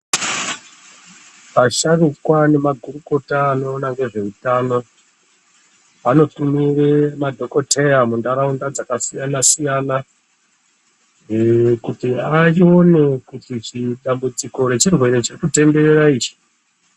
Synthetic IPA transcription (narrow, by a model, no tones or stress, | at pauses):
paʃarikwane̞maɡʱuruko̞taːno̞ːnaŋɡe̞ʐe̞utano̞ | ano̞tumiremadʱo̞ko̞tʰejamundaɾaundad͡zakasijanasijana | kutiaio̞ne̞kutit͡ʃiɗambud͡ziko̞ɾe̞t͡ʃirwe̞ɾet͡ʃirikute̞mbe̞ɾeraiːt͡ʃi̥